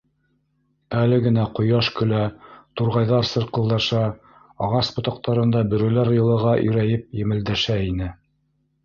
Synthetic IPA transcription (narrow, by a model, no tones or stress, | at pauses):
ælɘɡɘ̆næqŏjɑʃkɵ̆læt̪uɾʁɑjðɑɾsɤ̆ɾqɤ̆lˠd̪ɑʃɑ | ɑʁɑsbŏt̪ɑq̚t̪ɑɾɤ̆nd̪ɑbɵ̆ɾɵ̆læɾjɤ̆lˠɤ̆ʁɑʔɵ̰̆ɾæjɘp̚jɘ̆mɘ̆ld̪æʃæinɘ